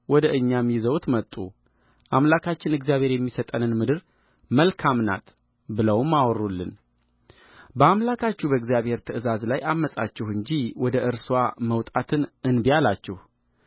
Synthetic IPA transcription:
wɔd̪əʔɨɲːamːizəwt̪mət̪ʼːṵ | ʔamlakʰat͡ʃːɪnɨɡzjaβhe̞ɾjɛmːisət̪ʼənɨnmɨd̪ɨɾ | məlkʰamna̰t̪ | bɨləwmːawɔrːulːɨ̰n | bəamlakʰat͡ʃːubəɨɡzjaβhe̞ɾt̪ʰəɨzazlajamːəsʼa̰t͡ʃːɛhɨɲd͡ʒiwɔd̪əʔɨɾswaməwt̪ʼat̪ʰɨnɨnbijalat͡ʃːɛh

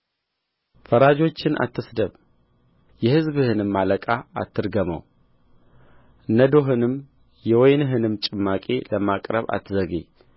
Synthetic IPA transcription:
fəɾad͡ʒo̞t͡ʃːɪna̰t̪ʰːɨsd̪əβ | jɛhɨzbɨhɨnɨmːaləkʼaa̰t̪ːɨɾɡəmə̰w | nəd̪oɦɨnɨm | jɛwɔjnɨɦɨnɨmt͡ʃʼɨmːakʼḛləmakʼɾəβa̰t̪ʰːɨzəɡḛ

